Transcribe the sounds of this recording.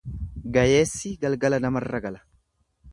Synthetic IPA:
ɡɐjeːsːɪɡɐlɡɐlɐnɐmɐrːɐɡɐlɐ̥

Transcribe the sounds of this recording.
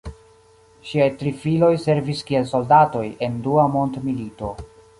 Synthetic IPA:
ʃiajtɾifilo̞jse̞ɾviskie̞lso̞ldato̞je̞nduamontmilito̞

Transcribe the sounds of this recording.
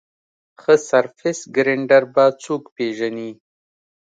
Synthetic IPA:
xəsaɾfɪsɡɾeɳɖaɾbat͡sukpeʒani

